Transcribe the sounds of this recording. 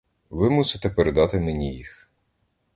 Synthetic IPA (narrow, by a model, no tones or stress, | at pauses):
ʋɪmusɪt̪ɛpeɾed̪ɑt̪ɪmenʲijix